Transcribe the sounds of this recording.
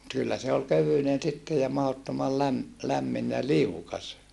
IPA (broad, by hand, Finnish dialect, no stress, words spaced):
kylːæ se ol køʋynen sitːe jɑ mɑhotːomɑl læm læmːin jɑ liukɑs